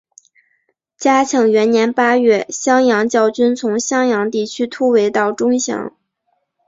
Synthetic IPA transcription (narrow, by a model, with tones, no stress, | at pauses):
t͡ɕja˥t͡ɕʰjɑ˧˥ŋɥɛ˧˥nnjɛ˧˥npa˥ɥɛ˥˩ɕjɑ˥ŋjɑ˧˥ŋt͡ɕjɑ˥˩ʊt͡ɕy˥nt͡sʰʊ˧˥ŋɕjɑ˥ŋjɑ˧˥ŋt̪i˥˩t͡ɕʰy˥t̪ʰu˥we˧˥ɪt̪ɑ˥˩ʊʈ͡ʂʊ˥ŋɕjɑ̰˧˥ŋ